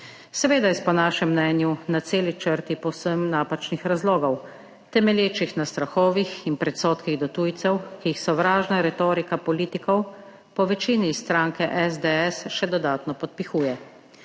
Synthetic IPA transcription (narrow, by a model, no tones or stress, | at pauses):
sɛʋeːd̪ajspɔnaːʃɛmːnɛːnjunat̪seːlit͡ʃəɾt̪ipɔwsəmnaːpat͡ʃnixɾazloːɡɔw | t̪ɛmɛljeːt͡ʃixnast̪ɾaxɔːʋixinpɾɛt̪soːt̪kiɣd̪ɔt̪uːjt̪sɛwkijixsɔʋɾaːʒnaɾɛt̪oːɾikapɔliːt̪ikɔw | pɔʋɛt͡ʃiːnist̪ɾaŋkɛʔɛzd̪ɛɛsʃɛd̪ɔd̪aːt̪nɔpɔt̪̚pixuːjɛ